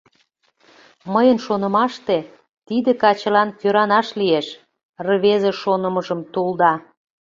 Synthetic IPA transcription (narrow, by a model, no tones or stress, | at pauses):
məjənʃonə̆mɑʃt̪e | t̪id̪ekɑt͡ɕə̆lɑnføɾɑnɑʃlieʃ | rəβezeʃonəməʒəmt̪uld̪ɑ